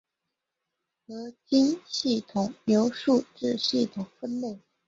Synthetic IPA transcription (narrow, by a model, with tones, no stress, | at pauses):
lɤ˧˥t͡ɕi˥nɕi˥˩t̪ʰʊ˨˩ŋnjo˧˥ʊʂu˥˧ʈ͡ʂɻ̩˥˧ɕi˥˩t̪ʰʊ˨˩ŋfə˥˧nle˥˩ɪ